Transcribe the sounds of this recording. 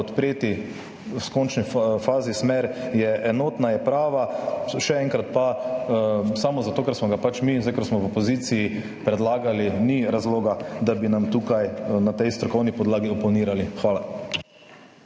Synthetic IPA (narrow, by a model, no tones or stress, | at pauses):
ɔt̪pɾeːt̪i | wskɔnt͡ʃnifaːzismɛɾjɛʔɛnoːt̪najɛpɾaːʋaʃɛɛŋkɾat̪̚pa | samɔzat̪oːkaɾsmɔɡapat͡ʃmizajkaɾsmɔwɔpɔziːt̪sijː | pɾɛd̪laːɡaliniɾazloːɡad̪abinamt̪uːkajnat̪ɛjst̪ɾɔkɔwnipɔd̪laːɡiɔpɔniːɾalixʋaːla